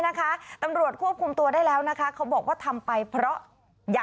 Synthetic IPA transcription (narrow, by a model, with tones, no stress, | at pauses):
na˦˥kʰa˦˥t̪a˧mɾu˨˩ət̪̚kʰu˥˩əp̚kʰu˧mt̪u˧ɐdaː˥˩jlɛː˦˥wna˦˥kʰa˦˥kʰa˦˥wbɔː˨˩k̚waː˥˩t̪ʰa˧mpa˧jpʰɾɔ˦˥ʔ | ja˨